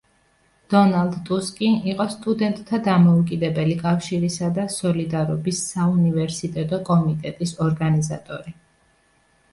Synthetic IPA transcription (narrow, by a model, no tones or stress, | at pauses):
d̪̥ɔnalˠd̪t̪ʼuskʼinʔiqʼɔst̪ʼud̪ɛnt̪ʼt̪ʰad̪amɔukʼid̪ɛbɛlikʼafʃiɾisad̪asɔlid̪aɾɔbisːaunivɛɾsit̪ʼɛt̪ʼɔkʼɔmit̪ʼɛt̪ʼisɔɾɡaniza̰t̪ʼɔɾi